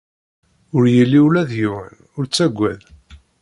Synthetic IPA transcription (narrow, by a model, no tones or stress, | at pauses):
ʊɾjəlːiwlæðjiwə̰n | ʊɾt͡sːæɡʷːæ̰ð